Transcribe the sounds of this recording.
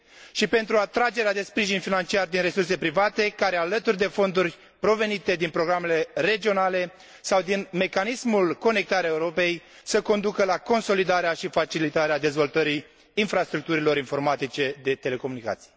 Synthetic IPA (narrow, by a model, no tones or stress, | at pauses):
ʃipe̞nt̪ɾuat̪ɾad͡ʒe̞ɾead̪e̞spɾiʒinfinant͡ʃiard̪inɾe̞surse̞pɾivat̪e̞kaɾealət̪urʲd̪e̞fo̞nd̪urʲ | pɾo̞ve̞nit̪e̞d̪inpɾo̞ɡɾame̞le̞ɾe̞d͡ʒio̞nale̞ | sawd̪inme̞kanismulko̞ne̞k̚t̪aɾeaeuɾo̞pe̞j | səko̞nd̪ukəlako̞nso̞lid̪aɾeaʃifat͡ʃilit̪aɾead̪e̞zvo̞lt̪əɾiː | nfɾast̪ɾuk̚t̪uɾilo̞ɾinfo̞rmat̪it͡ʃe̞d̪e̞t̪e̞le̞ko̞munika̰t̪sije